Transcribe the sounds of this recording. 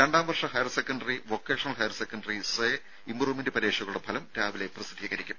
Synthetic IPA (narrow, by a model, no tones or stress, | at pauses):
ɾeɳɖaːmʋɐrʂɐɦɐjɐrsekːɐɳɖɐriʋokːeːʂɐnɐlɦɐjɐrsekːɐɳɖɐrise | imbruːmendɨpɐɾeːʂɐɣɐluɽebʰʱɐlɐmɾaːʋile̞prɐsid̪ʱːiːɣɐɾikʲːum